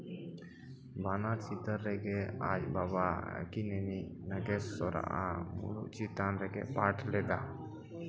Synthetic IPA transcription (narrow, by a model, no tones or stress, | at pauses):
banat͡ʃit̪əɾːɛɡɛa̰d͡ʒbaβa̰kinɛninəɡɛsːɔɾa̰ʔa̰mṵlṵʔt͡ʃit̪anɾɛɡɛ̰paʈʰlɛd̪a